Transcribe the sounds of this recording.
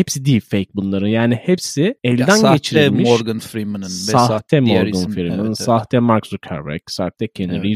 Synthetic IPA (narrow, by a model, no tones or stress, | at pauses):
hepsid̪iːlʲfejc̚bunlˠaɾɯnjaːnihepsiɛlʲd̪ænɟet͡ʃʰiɾimioɾɡanfɾimanɯnsaht̪ʰɛmoɾɡanfiɾmɯnsaht̪ʰɛmaɾksukʰa̰ɾbɛ̰ksaht̪ʰɛcʲʰenɾi